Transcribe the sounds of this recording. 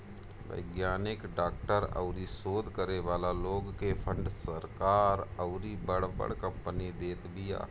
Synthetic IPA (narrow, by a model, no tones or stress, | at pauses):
ʋə̰ɪɡjaːnɪkɖaːkʈəɾə̰ʊɾisoːd̪ʱkəɾeʋaːlaloːɡkepʰə̃ɳɖsəɾkaːɾəʊɾibəɽbə̰ɽkə̃mpənid̪eːt̪bɪja̰ː